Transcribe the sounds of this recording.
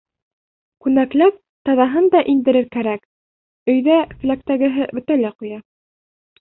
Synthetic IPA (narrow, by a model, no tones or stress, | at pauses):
kʉnæklæp̚ | t̪ɑðɑɦɤnd̪ɑʔind̪ɘ̆ɾɘɾkæɾæk | ɵ̆jðæfɘ̆læk̚t̪æɡɘ̆ɦɘbɵ̆t̪ælæqujɑ